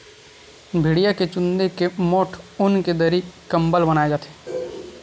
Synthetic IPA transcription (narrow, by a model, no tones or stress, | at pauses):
bʱɪɽijaket͡ʃʊnd̪ekemoːʈʰʊnked̪əɾikɐmbəlbənaːed͡ʒaːt̪e̥ː